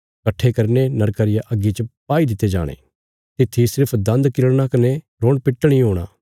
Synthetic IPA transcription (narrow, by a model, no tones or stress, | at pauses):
kɐʈʰːekɐɾnenɐɾkəɾɪjaʔɐɡːit͡ʃəpaːid̪ɪt̪ːed͡ʒa̰ːɽ̃ḛ̃ː | t̪ɪt̪ʰːisɪɾpʰd̪ɐ̃nd̪kɪləɽñakɐne | ɾoːɽ̃pɪʈːɽ̃ĩɦoːɽ̃a̰ː